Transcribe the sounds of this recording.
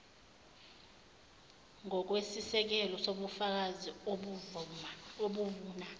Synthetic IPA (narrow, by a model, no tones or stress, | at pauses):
ŋɔk̬wesisɛk̬ɛlɔsoɓufak̬azioɓ | oɓuvuːna